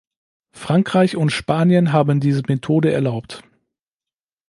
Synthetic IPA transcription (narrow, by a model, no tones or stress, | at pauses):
fʁ̥aŋkʁ̥aɪçʊntʃpaːnjənɦaːbən̩diːzəmetʰoːdəɛɐlaʊpt